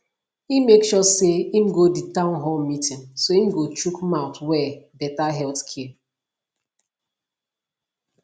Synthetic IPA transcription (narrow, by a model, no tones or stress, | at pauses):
imekʃɔseimɡoditãʊ̃nɦomitĩnsoĩm̩ɡot͡ʃukmãʊtwɛbɛtaɦɛlθkʰɛ